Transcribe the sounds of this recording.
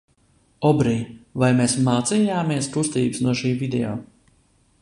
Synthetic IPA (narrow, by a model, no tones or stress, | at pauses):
ɔbɾiːvajmeːsmaːt̪sijaːmiɛsk̪ust̪iːbɨsnuɔʃiːvid̪ɛɔː